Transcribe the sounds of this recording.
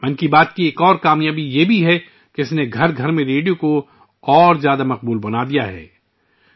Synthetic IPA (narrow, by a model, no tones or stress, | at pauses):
mɐnkibaːt̪kieːkɔːɾkaːmjaːbijebʱiɦɛ | keɪsneɡʱɐɾɡʱɐɾmẽɾeːɖijõko | ɔːɾzjaːd̪amɐq̚buːlbɐnad̪ijaɦɛ̰ː